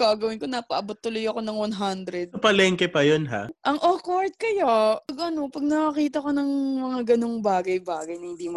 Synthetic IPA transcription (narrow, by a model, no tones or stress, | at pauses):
ɡaɡɐwɪnko̞naːpɐʔɐbot̪ːʊlojɐko̞nɐŋwɐnɦand̪ɾɛd̪̚ɐpɐlɛːŋkɛpɐjonɦa̰ʔɐŋʔokoɹt̪̚kɐjoɐɡʔɐno̞pɐɡ̚nɐkɐkiːt̪̬ɐko̞nɐŋmɐŋaɡɐnoŋbaːɡɐjbaːɡɐjnɐhɪnd̪iːmɐ